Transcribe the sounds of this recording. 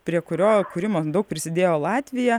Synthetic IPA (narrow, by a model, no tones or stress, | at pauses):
pʲɾʲiɛkʊɾʲoːkʊːɾʲɪmoːd̪ɐʊk̚pʲɾʲɪsʲɪd̪ʲeːjoːlˠɑːt̪ʲʋʲɪjɛ